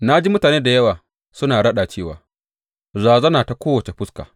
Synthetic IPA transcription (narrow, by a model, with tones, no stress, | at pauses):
na˦d͡ʒi˦mʊ˦taː˨neː˦da˨jɐ˦waː˨ | sʊ˦naː˨ɽɐ˦ɗa˨t͡ʃeː˦˨wa̰ː˨ | zaː˨zɐ˦naː˨ta˨kʷoː˦wɐ˨t͡ʃe˨ɸʊ˦ska̰ː˨